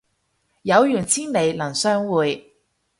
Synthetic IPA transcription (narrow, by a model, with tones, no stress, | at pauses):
jɐ˨˧wjyː˨˩nt͡sʰiː˥nle˨˧jlɐ˨˩ŋsœː˥ŋwuː˨˧j